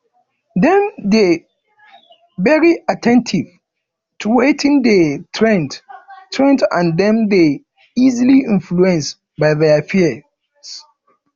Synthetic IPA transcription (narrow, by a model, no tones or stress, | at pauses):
dɛ̃mde | vɛɹiatʰɛ̃ntʰiv | tʰuwetʰĩndetʰɹɛ̃nttʰɹɛ̃ntã̰ndɛ̃mde | iziliĩnfluɛ̃ns | baɪðɛfiə | s